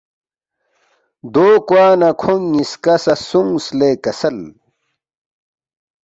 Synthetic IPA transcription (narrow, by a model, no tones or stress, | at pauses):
d̪oːkwaːnɐkʰoŋːiskɐsɐsuŋsleːkɐsɐl